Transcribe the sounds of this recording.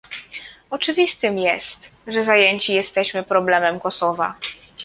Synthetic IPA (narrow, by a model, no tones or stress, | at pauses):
ɔt͡ʂɘvʲist̪ɘmjɛst̪ʐɛzajeɲt͡ɕijɛst̪ɛɕmɘpɾɔblɛmɛmkɔsɔva̰